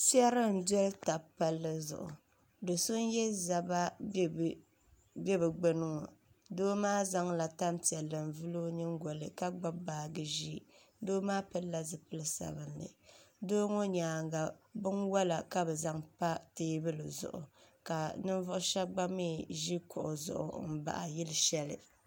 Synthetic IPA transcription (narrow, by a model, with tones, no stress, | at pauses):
sɛ˦ɾɨ˦n̩˨dɛ˦lta˨pa˦lːɨ˦zʊ̰˨ʔʊ̰˨ | do˨sʊ˦njɛ˦za˨ba˦ | bɛ˦bɨ˨ɡ͡bɛ˦nɨ˦ŋo̰˨ | doː˦maː˦za˦ŋla˨ta˦nti˨ɛ˨lːɨ˨n˨vɨ˦lo˦ɲɨ˦ŋɡɔ˨lɨ˨ka˦ɡ͡ba˦baː˨ɡɨ˨ʒi˦ | doː˦maː˦pɨ˦la˦zɨ˨pɨ˦lɨ˦sa̰˨bɨ˦nlɨ̰˨doː˦ŋo˦ɲaː˨ŋɡa˨bɨ˦nwa˦la˨ka˦bɛ˨za˦ŋpa˦teː˦bɨ˦lɨ˨zʊ̰˨ʔʊ̰˨ka˨nɨ˦nvʊ˦ʔʊ˦ʃɛ˦ɡ͡ba˦me˦˨ʒi˦kʊ˨ʔʊ̰˨zʊ̰˨ʔʊ̰˨m̩˦ba̰˨ʔa̰˨jɪ˦lɨ˦ʃɛ˦lɨ̰˨